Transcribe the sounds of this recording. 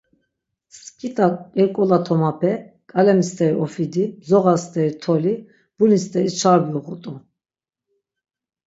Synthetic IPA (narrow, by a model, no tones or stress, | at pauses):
skʼit̪ʼaɛɾkʼɔlat̪ʰɔmapʰɛkʼalɛmist̪ʼɛɾiɔfid̪izɔɣast̪ʼɛɾit̪ʰɔli | b̥unist̪ʼɛɾit͡ʃʰaɾbiuɣut̪ʼu